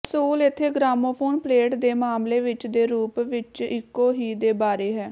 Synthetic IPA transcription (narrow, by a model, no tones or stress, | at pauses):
suːlɪt̪ʰːeːɡɾaːmoːpʰoːnpleːʈd̪eːmaːmleːʋɪt͡ʃd̪eːɾuːpʋɪt͡ʃɪkːoːɦiːd̪eːbaːɾeːɦɛː